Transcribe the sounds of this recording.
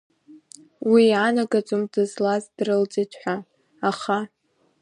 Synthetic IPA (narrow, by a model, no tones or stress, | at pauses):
wiːʕanaɡʼat͡sʷʼʊmdɨzlazdrɨlt͡sʼitʰħʷa | aχa